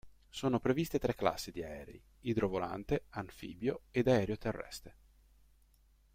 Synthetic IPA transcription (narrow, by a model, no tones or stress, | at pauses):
soːnopɾevist̪et̪ɾɛkːla̰sːid̪iaɛ̰ːɾḛi | id̪ɾovola̰nt̪eaɱfḭːbjoed̪aɛːɾeot̪erːɛ̰st̪e